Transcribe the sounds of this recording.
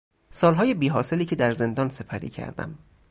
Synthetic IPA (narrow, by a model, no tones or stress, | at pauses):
sɒːlɦɒːje̞biːɦɒːse̞liːcʰed̪æɾze̞nd̪ɒːnse̞pʰæɾḭːcʰæ̰ɾd̪̥æ̰m